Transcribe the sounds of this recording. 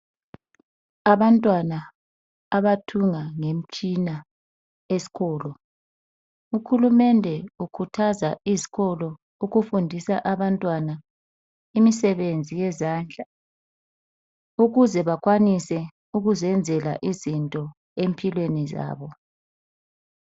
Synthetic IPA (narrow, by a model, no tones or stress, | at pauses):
aβantʼwanaː | βatʰuŋaŋem̩t͡ʃʼina | esi̥kɔːlɔ | uxulumɛndʱɛukʰutʰazaizi̥ɣɔlɔ | uɣufundʱisa̰ʔaβantʼwana | imisɛβend͡zʱijɛzaːnd͡ɮʱa | uɣuzɛβakʰwanisɛ | uɣuzɛnd͡zʱɛla̰ʔizintʼɔ | empʰilweniza̰ːβɔ